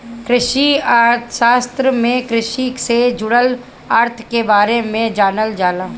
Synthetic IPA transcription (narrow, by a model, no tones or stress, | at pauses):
kɾɪʃiaːɾt̪ʰʃaːst̪ɾəmẽkɾɪʃiksed͡ʒʊɽəl | aːɾt̪ʰkebaːɾemẽd͡ʒaːnəld͡ʒaːlaː